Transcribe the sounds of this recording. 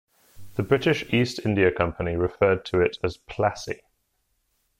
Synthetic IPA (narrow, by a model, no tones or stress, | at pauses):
ðəbɹɪtɪʃiˑstɪ̃ndiəkʰʌ̃mpəniɹɪfɜːd̚tʰəɪtʰəz̥pʰl̥asḭ